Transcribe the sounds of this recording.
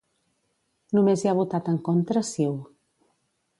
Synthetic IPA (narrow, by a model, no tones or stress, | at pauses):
numeziaβ̞ut̪at̪əŋkont̪ɾəsiw